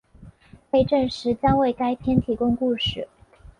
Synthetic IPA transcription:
pe˥˧ɪʈ͡ʂə˥˧nʂɻ̩˧˥t͡ɕjɑ˥ŋwe˥˩ɪka˥ɪpʰjɛ˥nt̪ʰi˨˩kʊ˥ŋku˥˧ʂɻ̩˥˨˩

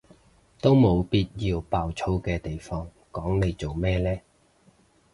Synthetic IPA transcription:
t̪o˥wmo˨˧wpiː˥t̚jiː˧wpaː˨˧wt͡sʰo˥wkɛː˧t̪e˨˩jfɔː˥ŋ | kɔː˨˥ŋne˨˧jt͡so˨wmɛː˥lɛː˥

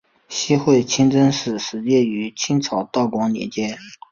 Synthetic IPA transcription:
ɕi˥xwe˥˩ɪt͡ɕʰi˥ŋt͡sə˥ŋʂɻ̩˥˩ʂɻ̩˧˥t͡ɕjɛ˥˩y˧˥t͡ɕʰi˥ŋt͡sʰɑ˨˧˩ʊt̪ɑ˥˩ʊkwɑ˧˥ŋnjɛ̰˨˩t͡ɕjɛ˥˩

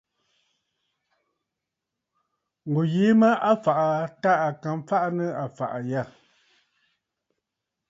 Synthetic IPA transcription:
ŋ˨o˨jeː˨˦mə˦a˦fa˨ʔa˨ta˦a˨ka˨m˦fa˦ʔnə˦a˨fa̰˨ʔa˨ja˦˨

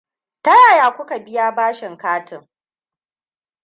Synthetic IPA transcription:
tɐ˦jaː˦˨jaː˨kʷʊ˦ka˨bɪ˦jaː˦baː˦ʃɪ˨ŋkaː˦tɪ˨ŋ

